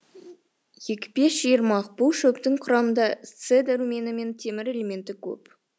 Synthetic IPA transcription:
je̞kʲɪ̥be̞sʒ̥ijəɾmɑqbʊlˠʃɵpt̪ɪŋqʰʊɾɑmənd̪ɑt̪sed̪aɾume̞nɪme̞nt̪ʰe̞mɪɾe̞le̞mʲe̞nt̪ɪkʲʰɵ̰p

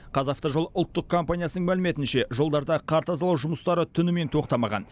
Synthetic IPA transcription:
qʰɑzɑft̪əʒolˠʊlˠt̪ːəq̚kʰo̞mpanʲijasənəɴmælɪme̞t̪ɪnʃe̞ʒo̞lˠd̪ɑɾd̪ɑqʰɑɾt̪ɑzɑlˠɑwʒʊməst̪ɑɾət̪ʰʏnɪme̞nt̪ʰo̞qt̪ɑmɑʁɑ̰n

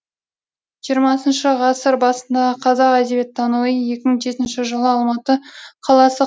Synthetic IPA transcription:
ʒijəɾmɑsənʃəʁɑsəɾbɑsənd̪ɑəqʰɑzɑqæd̪e̞bet̪ʰːɑnuije̞kʲɪməɴʒe̞t̪ɪnʃɪʒəlˠəɑlˠmɑt̪əqʰɑlˠɑsə

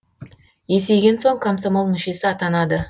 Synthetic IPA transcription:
je̞se̞jɡʲe̞nso̞ŋkʰomsomolˠmʏʃe̞sɪɑt̪ɑnɑd̪ə

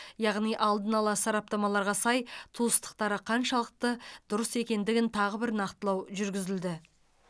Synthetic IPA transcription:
jɑʁnijʔɑlˠd̪ənɑlˠɑsɑɾɑp̚t̪ɑmɑlˠɑɾʁɑsɑjt̪ʰuəst̪ə̥qt̪ɑɾəqʰɑnʃɑlˠəq̚t̪əd̪̥ʊɾəse̞kʲe̞nd̪ɪɡʲɪnt̪ʰɑʁəbɪɾnɑqt̪əlˠɑwʒʏɾɡʲɪzɪld̪ɪ

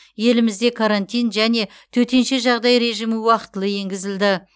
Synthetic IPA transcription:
je̞lɪmɪzd̪e̞kʰaɾant̪ijnʒæne̞ | t̪ʰɵt̪e̞nʃe̞ʒɑʁd̪ɑjɾe̞ʒijmɪwɑqə̥t̪əlˠəje̞ŋɡʲɪzɪld̪ɪ

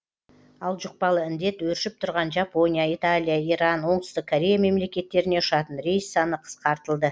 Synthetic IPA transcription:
ɑlˠʒʊq̚pɑlˠəɪnd̪e̞t̪wɵɾʃɪp̚t̪ʰʊɾʁɑnʒapo̞nijaijt̪alʲijaiɾɑnwo̞ɴd̪əst̪əq̚kʰoɾʲe̞jame̞mle̞kʲe̞t̪ːe̞ɾɪne̞ʊʃɑt̪ənɾe̞jsːɑnəqʰə̥sqɑɾt̪əlˠd̪ə

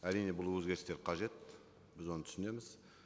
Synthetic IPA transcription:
æɾijne̞bʊlˠwɵzɡʲe̞ɾɪst̪e̞ɾqʰɑʒe̞t̪ | bɪzwonət̪ʰsɪne̞mɪz̥

